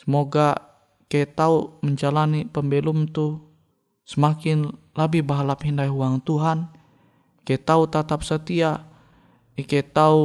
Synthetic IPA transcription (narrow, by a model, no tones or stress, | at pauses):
səmoɡa | kaɛt̪auməɲd͡ʒalanipəmbɛlumt̪u | səmakɪn | labihbaɦalapɦindaiɦuwaŋt̪uɦan | kaɛt̪aut̪at̪ap̚sət̪ia | ikaɛt̪au